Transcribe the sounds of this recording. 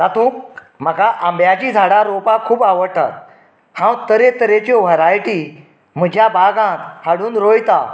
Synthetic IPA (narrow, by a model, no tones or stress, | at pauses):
t̪at̪ũk̚ | m̤əkaʔãmbjat͡ɕiːd͡zʱaɽaɾopakʰuːbaʋəɽt̪a̰t̪̚ | hãwt̪əɾet̪əɾet͡ɕɔʋ̤əɾajʈi | m̤əd͡ʑʱjabʱaɡãt̪haɽuːnɾojt̪a